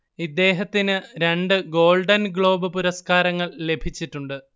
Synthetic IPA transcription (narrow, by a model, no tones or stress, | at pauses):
id̪ːe̞ːɦɐt̪ːinɨɾe̞ɳɖɨɡo̞ːɭɖɐnɡɭo̞ːbɨpuɾɐskaːɾɐŋːɐɭle̞bʱit͡ɕːiʈːuɳɖɨ